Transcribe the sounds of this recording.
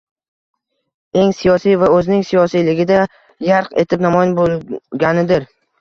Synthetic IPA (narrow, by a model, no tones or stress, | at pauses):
e̞ŋsijɒsijvaɵzɪnɪŋsijɒsijlɪɡʲɪd̪a | jaɾqe̞t̪ʰɪpnamɒjɪnbolˠɡʲanɪd̪ɪɾ